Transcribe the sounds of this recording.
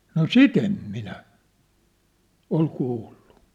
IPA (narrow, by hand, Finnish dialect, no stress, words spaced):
no sit em minæ ol kuːlːu